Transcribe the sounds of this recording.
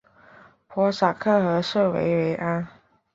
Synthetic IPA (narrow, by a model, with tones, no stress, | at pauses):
pʰwɔ˧˥sa˨˩kʰɤ˥˩xɤ˧˥ʂɤ˥˩wḛ˧˥ɪwe˧˥ɪʔa˥n